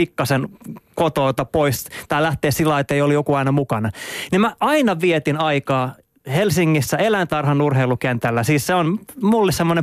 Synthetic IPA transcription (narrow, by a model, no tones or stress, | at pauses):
ikːɑsenkot̪oːt̪ɑpoist̪æːlæht̪eːsilːɑiet̪ːeijolijokuɑinɑmukɑnɑnimæʔɑinɑʋiet̪inɑikɑː | helsiŋːisːæelænt̪ɑrhɑnurheilukent̪ælːæsiːsseonmulːissemːone